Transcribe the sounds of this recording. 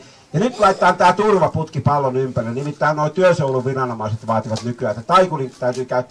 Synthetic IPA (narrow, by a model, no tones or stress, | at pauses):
jɑnyt̪lɑˑit̪t̪ːˑɑːnt̪æːt̪urʋɑput̪kipɑlːonympærilnimit̪ːæinnoˑit̪yøsouluʋʋirɑnomɑˑiset̪ʋɑːt̪iʋɑt̪nykyæːst̪æt̪ɑikulint̪æˑyt̪yːkæˑyt̪ː